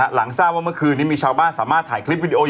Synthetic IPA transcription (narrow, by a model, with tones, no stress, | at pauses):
la˩˦ŋsaː˥˩p̚waː˥˩mɯ˥˩əkʰɯː˧nːiː˦˥miː˧˩t͡ɕʰaː˧wbaː˥˩nsaː˩˦maː˥˩t̪ʰaː˨˩˦jkʰli˦˥p̚wi˧di˧ʔoː˧